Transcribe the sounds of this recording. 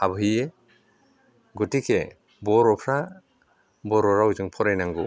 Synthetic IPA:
abɯɦɯje | ɡutikʰe | bɔɾɔpʰɾa | bɔɾɔɾawzɯŋpʰɔɾajnaŋɡu

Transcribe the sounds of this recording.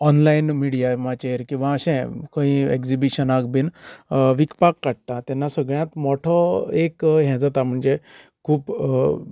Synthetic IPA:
ɔnlainmiɽijamat͡ɕeɾkĩw̃ʋaəɕɛ̃kə̃ĩḛkd͡zibiɕənaɡ̚binʋikpakːaɽ̚t̪at̪ɛnːasəɡɭjãt̪mɔʈʰɔekɦɛ̃d͡zat̪am̤əɳd͡ze | kʰuːp

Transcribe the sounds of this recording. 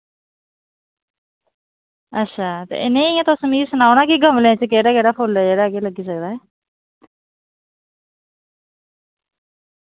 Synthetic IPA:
ətːʃʰaːt̪ḛːʔɪ̰nẽːɪãːt̪ʊsmiːsənaːonaːkiːɡəmlẽt͡ʃəkeːɽaːkeːɽaːpʰʊlɛːd͡ʒeːɽaːɡeːləɡiːsəkd̪aːɦɛː

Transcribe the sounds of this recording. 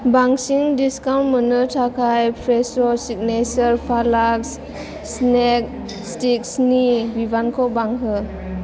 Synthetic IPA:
baŋsiŋdiskawnmɯnɯtʰakʰajpʰɾesɔsik̚nesəɾpʰalaks | snek̚ | stik̚snibibankʰɔbaŋɦɯ

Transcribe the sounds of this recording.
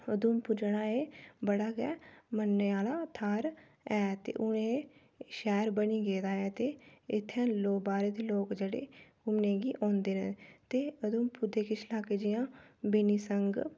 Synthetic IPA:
əd̪uːmpʊd͡ʒəɽaːeːbəɽaːɡɛːmənːeːaːlaːt̪ʰaːɾ | ɛːt̪ḛːʔʊnẽː | ʃɛːɾbəniːɡeːd̪aːɛːt̪eːɪt̪ʰːɛ̃ːloːbaːɾeːd̪eːloːkd͡ʒeɽḛː | ʊmnẽːɡiːʔõːnd̪eːnə̃t̪eːʊd̪uːmpʊd̪eːkɪt͡ʃʰlaːkeːd͡ʒɪjãːbɪniːsəŋɡ

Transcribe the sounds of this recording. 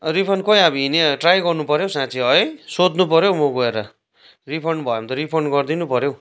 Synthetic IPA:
ɾipʰʌrnkʌj̃abiɦineʈrajɡʌrnupʌɾjowsãt͡sʰiɦʌsod̪nupʌɾjowmoɡʌeɾʌ | ripʰʌrɳɖbʱʌjõmt̪ʌɾipʰʌrɳɡʌrd̪inupʌɾjow

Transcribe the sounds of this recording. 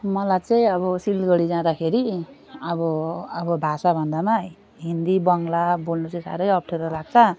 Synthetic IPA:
mʌlajt͡saĩʌβʌsilɡʌɽid͡zãd̪akʰeɾiʌbʌʌbʌbʱasabʱʌnd̪ama | ɦind̪ibʌŋlabolnut͡sʌĩsa̰ɾʌjʌp̚ʈʰeɾʌlaɡ̚t͡sʰʌ

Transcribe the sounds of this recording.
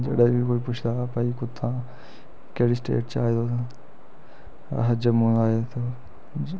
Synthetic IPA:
d͡ʒḛɗabikoːipʊt͡ʃʰd̪aːpaikʊt̪ʰːã | keɽisʈḛːʈt͡ʃaːid̪o | ɦəd͡ʒəmũːnaːet̪o

